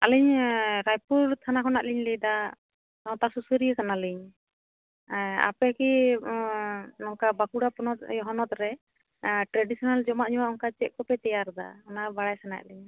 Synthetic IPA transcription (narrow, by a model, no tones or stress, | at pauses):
aliɲɾajpuɾt̪ʰanakɔnaʔliɲlid̪a | nɔt̪asusuɾijəkanaliɲ | a̰pɛki | nɔŋkabakuɽapɔnɔt̪̚jɔɦɔnɔt̪ɾɛ | ʈɾaɖisɔnald͡ʒɔmaʔɲuwaʔɔŋkat͡ʃɛʔ̪̚kɔpɛt̪ɛjaɾd̪a̰ɔnabaɽajsana̰ʔliɲ